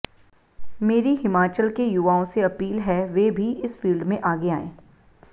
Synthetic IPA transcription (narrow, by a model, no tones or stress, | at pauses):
meːɾiɦɪmaːt͡ʃəlkejʊʋaːõseɐpiːlɦɛʋebʱiʔɪsfiːlɖmẽʔaːɡeaːḛ̃ː